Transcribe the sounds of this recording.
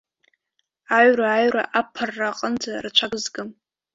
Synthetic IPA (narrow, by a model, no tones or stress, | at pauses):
aɥraːɥra̰ʔapʰarːaqʼənd͡zarat͡ʃʷʰaɡɨzɡɨm